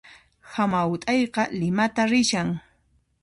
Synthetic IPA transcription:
hamawʊt̪ʼɑjqɑlɪmat̪aɾɪʃaŋ

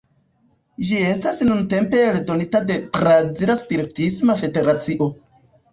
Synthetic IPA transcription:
d͡ʒie̞stasnunte̞mpe̞ledo̞nitade̞pɾaziɾaspiɾitismafe̞de̞ɾat͡siʔo̞

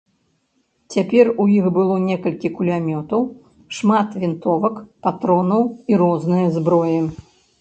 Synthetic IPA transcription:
t͡sʲapʲɛrujixbɨlˠɔnʲɛkɐlʲkʲikulʲamʲɔt̪ɐw | ʂmat̪vʲint̪ɔvɐkpat̪ɾɔnɐwiɾɔznɨjɐzbɾɔjɛ

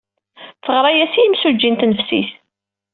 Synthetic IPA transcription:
θəʁɾˤɑjæsijimsud͡ʒːint̪nəfsḭs

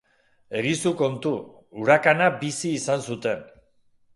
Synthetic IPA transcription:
e̞ɾisuko̞nt̪u | uɾakanabisiːsansut̪e̞n

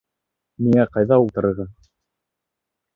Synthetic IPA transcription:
miŋæqɑjðɑulˠt̪ɤ̆ɾɤ̆ɾʁɤ

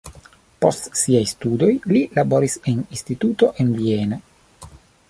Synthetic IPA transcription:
po̞stsiajst̪ud̪o̞jlilabo̞ɾiseninst̪it̪ut̪o̞ʔenviena

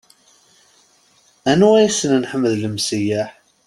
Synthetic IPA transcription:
ænuæjæsənnħəmːəðləmsijæħ

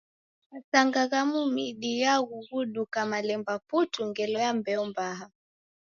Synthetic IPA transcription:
asaŋɡaɣamumiɗijaɣuɣuɗukamalɛmbaputuŋɡɛlɔjambɛɔmbaɦa

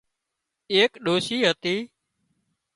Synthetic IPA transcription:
eːkɗoːsiːɦət̪iː

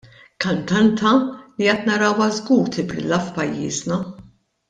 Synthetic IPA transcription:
kɐnt̪ɐnt̪ɐliɐt̪nɐɾɐwɐzɡuːɾt̪ɪbɾɪ̰lːɐfpɐjːḭːznɐ

